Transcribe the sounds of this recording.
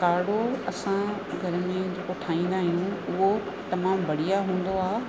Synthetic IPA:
kaːɽoɐsã | ɡʱɐɾəmẽd͡ʑeːkoʈʰaːĩːn̆d̪aːɦijũʊɦo | t̪ɐmaːmbɐɽijaɦũːn̆d̪oaː

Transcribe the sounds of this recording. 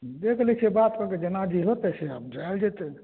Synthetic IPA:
d̪ekʰlɛt͡ʃʰebat̪kəked͡ʒenad͡ʒiɦot̪ɛseəbd͡ʒald͡ʒet̪e

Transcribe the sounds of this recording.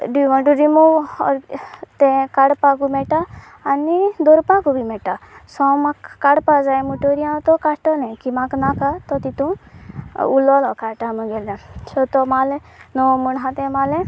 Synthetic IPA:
ɖiʋɔ̃ɳʈuɾimuʋɔ̰ɾt̪ẽkaɽpakumeʈaː | nid̪oɾpakubimeʈasɔ̃makːaɽpazaemuʈoɾijãt̪ɔkaʈɔnɛ̃kimaknakat̪ɔt̪it̪ũ | ulɔlɔkaʈaməɡelasɔt̪ɔmalɛnɔmunɦãt̪ɛ̃male

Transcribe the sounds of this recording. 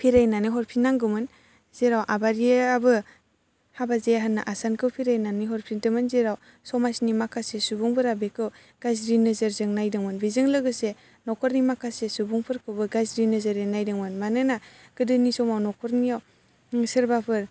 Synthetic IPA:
pʰiɾajnanɯɦɔɾpʰinːaŋɡɯmɯn | z̥eɾawʔabaɾiabɯ | habazejaɦanːaʔasankʰɯwpʰiɾajnaniɦɔɾpʰindɯmɯnzeɾaw | sɔmasnimakʰasesubuŋpʰɯɾabekʰɯw | ɡ̥azɾinɯzɯɾzɯŋnajdɯŋmɯnbizɯŋlɯɡɯse | nɔkʰɔɾnimakʰasesubuŋpʰɯɾkʰɯwbɯɡazɾinɯzɯɾenajdɯŋmɯnmanɯnaɡ̥ɯdɯnisɔmawnɔkʰɔɾnijaw | sɯɾbapʰɯɾ

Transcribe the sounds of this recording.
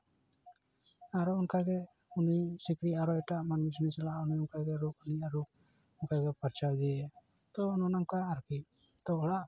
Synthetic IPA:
aɾɔunkaɾɡɛ | unisikɽiaɾɔɛʈaʔmanud͡ʒnɛt͡ʃɛlaʔuniunkaɡɛɾukuniaɾu | ʊnkaɡɛpaɾt͡ʃawd̪iɛ | t̪ɔnɔnaŋkaaɾki | t̪ɔɔɽaʔ

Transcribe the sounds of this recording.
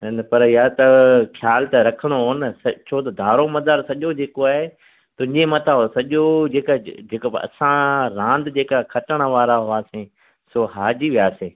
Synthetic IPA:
npɐɾɪjaːt̪ɐkʰjaːlt̪ɐɾɐkʰəɽ̃oɦoːnɪsɐt͡ʃʰoːt̪ɐd̪ʱaːɾomɐd̪əɾsɐʄod͡ʑeːkoaːɦe | t̪ʊ̃ɦɪ̃ɲd͡ʑemɐt̪ʰaɦosɐʄod͡ʑeːkad͡ʑeːkbɐ̰sãɾãːnd̪d͡ʑeːkakʰɐʈəɽ̃əʋaːɾaɦʊaːsẽ | soːɦaːd͡ʑiʋiaːsẽː

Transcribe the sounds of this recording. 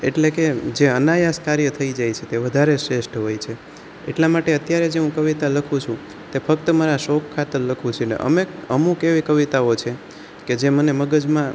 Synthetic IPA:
eʈleked͡ʒeənajaskaɾjət̪ʰəid͡ʒajt͡ʃʰet̪eʋəd̪ʱaɾesɾeʃʈʰɦojt͡ʃʰe | ḛʈlamaʈeət̪jaɾed͡ʒeɦũkəʋit̪aləkʰũt͡ʃʰũ | t̪efək̚t̪əmaɾaʃokʰːat̪əɾləkʰũt͡ʃʰenḛʔə̰meəmũkeʋikəʋit̪aot͡ʃʰe | ked͡ʒeməneməɡəd͡ʒmã

